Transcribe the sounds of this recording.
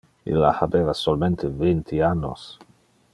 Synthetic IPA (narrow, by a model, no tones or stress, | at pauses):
ḭlːa̰habeːvasolment̪ʰevint̪ʰianːo̰s